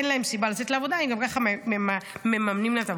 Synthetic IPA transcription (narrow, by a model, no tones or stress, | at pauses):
enlae̞msibalat͡se̞t̪leavo̞d̪aimɡamkaχamememamnimleet̪av